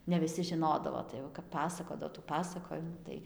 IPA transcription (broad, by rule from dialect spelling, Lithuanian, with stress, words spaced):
nʲɛ ʋʲɪˈsʲɪ ʒʲɪˈnoːdɐʋoː tɐɪ jɛʊ kɐp ˈpɑːsɐkoːdɐʋoː tuː ˈpɑːsɐkoːjɪmuː ˈtɐɪ